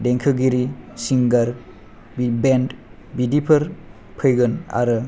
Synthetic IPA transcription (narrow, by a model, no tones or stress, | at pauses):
deŋkʰɯɡiɾisiŋɡaɾ | bbend | bidipʰɯɾ | pʰɯjɡɯna̰ɾɯ